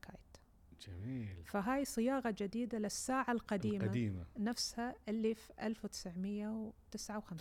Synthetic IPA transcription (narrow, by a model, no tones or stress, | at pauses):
ka̰ːjt̪ | d͡ʒamiːlfaɦaːjsˤɨjɑːɣad͡ʒɪd̪iːd̪alɪsːaːʕalqɑd̪iːmadiːma̰nafshaʔɪlːiːfʔalfwt̪ɪ̥sʕmɪjːawt̪ɪsʕawxam